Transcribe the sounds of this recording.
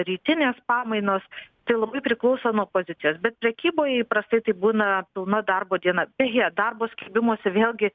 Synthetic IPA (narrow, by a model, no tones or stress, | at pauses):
ɾʲiːt̪ʲɪnʲeːspɑːmɐɪnoːst̪ɐɪlˠɐbɐɪpʲɾʲɪklˠɐʊsoːnuɔpoːzʲɪt̪ʲɪjoːsbʲɛt̪̚pʲɾʲɛkʲiːboːjɛipɾɐst̪ɐɪt̪ɐɪbuːnɐpʲɪlˠnɐd̪ɐrboːd̪ʲiɛnɐbʲɛɣʲɛd̪ɐrboːsʲkʲɛbʲɪmuɔsʲɛʋʲeːlʲˠɡʲɪ